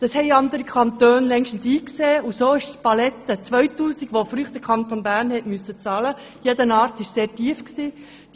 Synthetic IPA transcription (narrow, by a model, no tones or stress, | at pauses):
d̥ɑshɛɪɑnd̪əɾikʰχɑnt̪øːnlɛŋʃtən̩siːkseːusoːɪʃpɑlɛtːət͡sʋœʏtuːsiɡ̥ʋofɾyːχd̥əkʰɑnt̪onbæːɾnhɛtmysːət͡sɑːlə | jedənɑːɾtɪʃseːɾtiːəfksi̥ː